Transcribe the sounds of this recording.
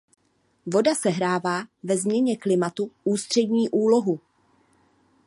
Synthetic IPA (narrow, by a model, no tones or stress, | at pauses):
vo̞dasɛɦɾaːvaːvɛzmɲɛɲɛklɪmat̪uʔuːst̪r̥ɛdɲiːʔuːlo̞ɦu